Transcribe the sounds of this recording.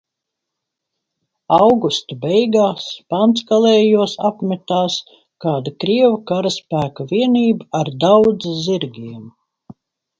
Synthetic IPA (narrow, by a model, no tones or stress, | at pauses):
awɡust̪abɛjɡaːspant̪skalɛːjuɔsapmʲɛt̪aːs | kaːd̪akɾiɛvakaɾaspæːkavʲiɛniːbaaɾd̪awd̪zziɾɡʲiɛm